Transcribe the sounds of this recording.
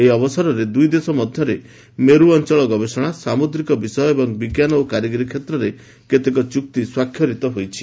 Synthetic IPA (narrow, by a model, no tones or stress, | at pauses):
eiɔbɔsaɾɔɾed̪ujd̪esɔmɔd̪ʱjɔɾe | meɾuɔnt͡ʃɔɭɔɡɔbesɔɽ̃asamod̪ɾikɔbisɔjɔebɔŋbiɡjanɔokaɾjɔɡɔɾikʰjet̪ɾɔɾe | ket̪ekɔt͡ʃuk̚t̪iswakʰjɔɾit̪ɔɦojt͡ʃʰi̥